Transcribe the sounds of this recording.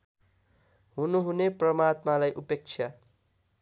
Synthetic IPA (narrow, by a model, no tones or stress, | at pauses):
ɦunuɦuneprʌmat̪malajʔupek̚t͡ʃʰja